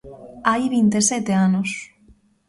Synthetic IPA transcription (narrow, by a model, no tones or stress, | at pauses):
ajβint̪esɛt̪eanos